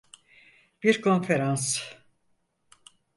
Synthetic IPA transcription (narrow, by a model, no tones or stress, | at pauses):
b̥iɾkʰo̞nfeɾans